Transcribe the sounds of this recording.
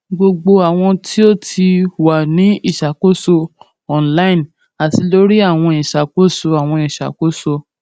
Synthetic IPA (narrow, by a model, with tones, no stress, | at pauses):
ɡ͡bo˧ɡ͡bo˧a˨w̃ɔ̃˧tʰi˦o˦˨tʰi˧wa˨nĩ˨˦i˦˨ʃa˨ko˦so˧ | ɔ˨nla˦ĩ˦˨n | a˨ti˧lo˨˦ɾi˦a˦˨w̃ɔ̃˧i˨ʃa˨k͡po˦so˧a˨w̃ɔ̃˧i˨ʃa̰˨ko˦so˧